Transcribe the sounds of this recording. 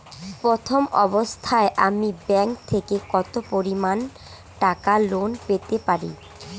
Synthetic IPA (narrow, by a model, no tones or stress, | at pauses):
pɾot̪ʰomɔbost̪ʰaeʔamibɛŋkt̪ʰekekɔt̪opoɾiman | ʈakalonpet̪epaɾḭ